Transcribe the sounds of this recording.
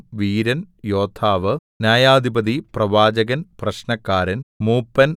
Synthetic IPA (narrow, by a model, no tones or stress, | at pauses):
ʋiːɾɐn | joːt̪ʰːaːʋɨnjaːjaːd̪ʱibɐd̪iprɐʋaːd͡ʑɐɣɐnprɐɕnɐkːaːɾɐnmuːpːɐn